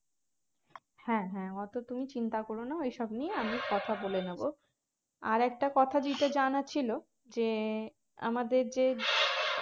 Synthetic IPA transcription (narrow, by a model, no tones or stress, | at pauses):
hɛ̃ɦɛ̃ɔt̪ot̪umit͡ɕint̪akoɾonaejʃɔbnieamikɔt̪ʰabolenebo | a̰ɾɛk̚ʈakɔt̪ʰad͡ʑiʈad͡ʑanat͡ɕʰilo | d͡ʑe | a̰mad̪eɾd͡ʑe